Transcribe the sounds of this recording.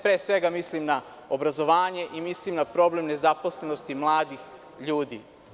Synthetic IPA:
pɾeːsʋe̞ɡamislimna | obɾazo̞ʋaːɲe̞ʔimislimnapɾo̞ble̞mne̞zapo̞sleno̞st̪imlˠaːd̪ix | ʎuːd̪ḭ

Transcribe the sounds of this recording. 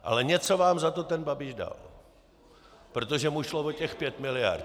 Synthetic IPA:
ʔa̰lɛɲɛt͡so̞vaːmzat̪ot̪ɛnbabɪʒda̰l | pɾo̞t̪o̞ʒɛmuʃlovocɛxpjɛt̪mɪlɪja̰r

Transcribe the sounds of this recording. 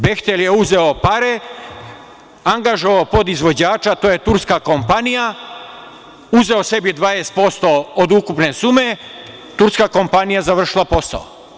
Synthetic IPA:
bext̪eljeuzeo̞paɾe | aŋɡaʒo̞ʋaopo̞d̪izʋo̞d͡ʑaːt͡ʃat̪ojet̪uɾskako̞mpanija | uze̞o̞se̞bid̪ʋaːjest̪̚po̞st̪ood̪ukupnesuːme | t̪uɾskako̞mpanijazaʋr̩ʃilˠapo̞sa̰o̰

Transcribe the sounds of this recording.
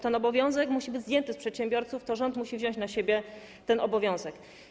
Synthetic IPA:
t̪ɛnɔbɔvʲjɔ̃w̃zɛkmuɕibɘd͡ʑzd̪jɛnt̪ɘspʂɛt̪ɕɛmbʲjɔɾt̪suft̪ɔʐɔnt̪muɕivʑɔ̃ɲt͡ɕnaɕebʲjɛ | t̪ɛnʔɔbɔvʲjɔ̃w̃zɛk

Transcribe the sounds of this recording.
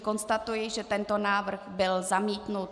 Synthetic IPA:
ko̞nst̪at̪ujɪʒɛt̪ɛnt̪onaːvr̩ɣbɪlzamiːt̪nut̪

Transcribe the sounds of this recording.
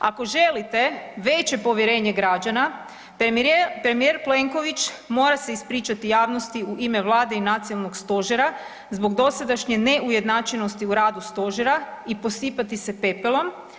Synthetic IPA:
a̰ko̞ʒe̞lit̪e̞ʋe̞t͡ʃe̞po̞ʋjeɾe̞ːɲe̞ɡɾad͡ʒana | pɾe̞mijeɾple̞ŋko̞ʋit͡ʃ | mo̞ːɾase̞ispɾiːt͡ʃat̪ijaːʋno̞st̪iuʔime̞ʋlˠaːd̪e̞inat̪sialˠnoɡst̪o̞ʒeɾa | zbo̞ɡd̪o̞sad̪aʃɲene̞ʔuje̞d̪nat͡ʃeno̞st̪iuɾaːd̪ust̪o̞ʒeɾaipo̞sipat̪ise̞pe̞pelo̞m

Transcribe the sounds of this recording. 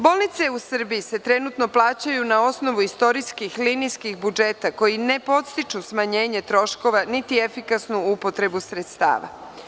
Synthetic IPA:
bo̞ːlˠnit̪se̞usr̩biise̞t̪ɾe̞nut̪no̞plˠaːt͡ɕajunao̞sno̞ʋuist̪o̞ɾiskixlinijskixbud͡ʒe̞t̪ako̞jine̞po̞t̪st̪it͡ʃusmaɲe̞ːɲe̞t̪ɾo̞ʃko̞ʋanit̪ie̞fikasnuupo̞t̪ɾe̞busɾe̞t̪st̪a̰ːʋa̰

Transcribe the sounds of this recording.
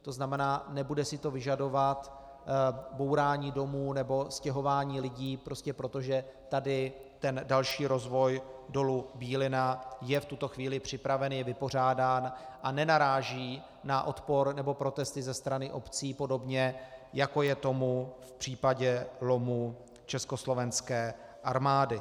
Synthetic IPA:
t̪o̞znamɛnaːnɛbudɛsɪt̪o̞vɪʒado̞vat̪ | bo̞wɾaːɲiːdo̞muːnɛbo̞scɛɦo̞vaːɲiːlɪɟiːpɾo̞scɛpɾo̞t̪oʒɛt̪adɪt̪ɛndalʃiːɾo̞zvo̞jdo̞lubiːlɪnajɛft̪ut̪o̞xviːlɪpr̝̥ɪpɾavɛnjɛvɪpo̞r̝aːdaːnʔanɛnaɾaːʒiː | naʔo̞t̪po̞ɾnɛbo̞pɾo̞t̪ɛst̪ɪzɛst̪ɾanɪʔo̞pt͡siːpo̞do̞bɲɛjako̞jɛt̪o̞mufpr̥iːpaɟɛlo̞mu | t͡ʃɛsko̞slo̞vɛnskɛːʔaɾmaːdɪ

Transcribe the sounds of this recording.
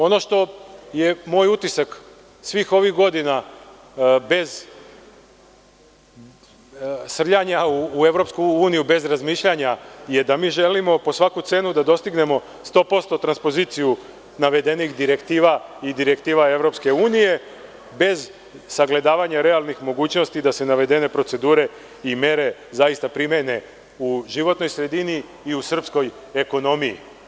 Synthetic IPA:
o̞no̞ʃt̪o̞jemoːjut̪isak | sʋiːxo̞ʋixɡo̞d̪ina | be̞z | sr̩ʎaɲauːe̞ʋɾo̞pskuuːnijube̞zɾazmiːʃʎaɲaje̞d̪amiːʒelimo̞po̞sʋakut̪se̞ːnud̪ad̪o̞st̪iɡne̞mo̞ | st̪o̞ːpo̞st̪o̞t̪ɾanspo̞ziːt̪siju | naʋe̞d̪e̞nixd̪iɾe̞kt̪iːʋaid̪iɾe̞kt̪iːʋae̞ʋɾo̞pske̞uːnije̞ | be̞z | saɡle̞d̪aːʋaɲaɾe̞alˠnixmo̞ɡuːt͡ɕno̞st̪id̪ase̞naʋe̞d̪e̞ne̞pɾo̞t̪se̞d̪uːɾe̞ | imje̞ɾe̞zaist̪apɾimene̞ | uʒiʋo̞t̪no̞jsɾe̞d̪iniː | usr̩psko̞j | e̞ko̞no̞mijḭ

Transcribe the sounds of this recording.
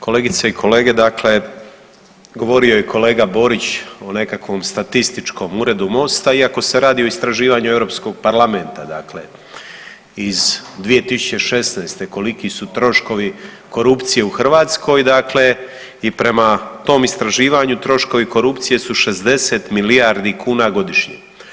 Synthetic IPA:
ko̞leːɡit̪saikʰo̞le̞ːɡe̞d̪akle̞ | ɡo̞ʋo̞ɾio̞jekʰo̞le̞ːɡabo̞ɾit͡ɕone̞kakʋo̞mst̪at̪ist̪it͡ʃko̞muːɾe̞d̪umo̞st̪aiako̞se̞ɾaːd̪io̞ist̪ɾaʒiːʋaɲuevɾo̞ːpsko̞ɡ̚paɾlˠame̞nt̪ad̪akle̞̰ | izd̪ʋije̞t̪isu̥t͡ɕe̞ʃe̞snaːst̪e̞ko̞likisut̪ɾo̞ʃko̞ʋi | ko̞ɾupt̪sije̞uxr̩ʋaːt̪sko̞jd̪akle̞ | ipɾe̞mat̪o̞ːmist̪ɾaʒiːʋaɲut̪ɾo̞ʃko̞ʋiko̞ɾupt̪sije̞suʃe̞zd̪e̞se̞t̪milijaɾd̪ikʰuːnaɡo̞d̪iʃɲḛ

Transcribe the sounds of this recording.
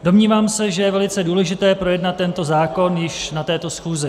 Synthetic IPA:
do̞mɲiːvaːmsɛʒɛjɛvɛlɪt͡sɛduːlɛʒɪt̪ɛːpɾo̞jɛdnat̪ːɛnt̪o̞zaːko̞njɪʃnat̪ɛːt̪o̞sxuːzɪ

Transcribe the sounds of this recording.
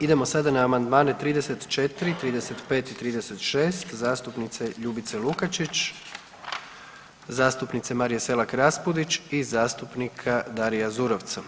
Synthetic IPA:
id̪e̞mo̞sad̪anaːmand̪maːne̞t̪ɾiːd̪e̞se̞t̪t͡ʃe̞t̪ɾit̪ɾiːd̪e̞se̞t̪pe̞ːt̪it̪ɾiːd̪e̞se̞t̪ʃeːst̪zaːst̪upnit̪se̞ʎubit̪se̞lukat͡ʃit͡ʃ | zaːst̪upnit̪se̞maɾijese̞lakɾaspud̪it͡ʃizaːst̪upnikʰad̪aɾijazuɾo̞ʋt̪sa

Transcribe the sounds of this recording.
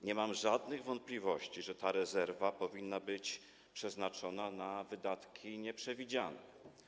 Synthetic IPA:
ɲɛmamʐad̪nɘɣvɔnt̪̚plʲivɔɕt͡ɕiʐɛt̪aɾɛzɛɾvapɔvʲinːabɘt͡ɕ | pʂɛznat͡ʂɔnanavɘd̪at̪kʲʰiɲɛpʂɛvʲid͡ʑanɛ

